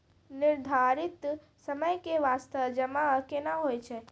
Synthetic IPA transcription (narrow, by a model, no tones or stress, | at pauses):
nɪɾd̪ʱaɾɪt̪ | səməjkeʋaːst̪əʋd͡ʒəmakenaɦojt͡ʃʰe